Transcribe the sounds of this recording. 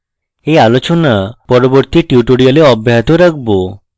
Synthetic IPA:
ealot͡ʃonapɔɾoboɾt̪iʈjuʈoɽijaleɔbʱjaɦt̪oɾakʰbo

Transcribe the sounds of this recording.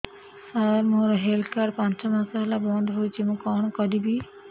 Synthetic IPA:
aɾmoɾɔɦelkaɾpãnt͡ʃɔmasaɦelabɔnd̪ɦojt͡ʃʰimũkɔɳ̃ɔkɔd̪ibi

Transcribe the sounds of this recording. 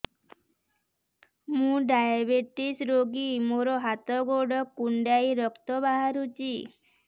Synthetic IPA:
mũɖajabeʈisɾoɡimoɾɔɦat̪ɔɡoɽɔkːuɳɖaiɾɔkt̪ɔbaɦaɾut͡ʃi

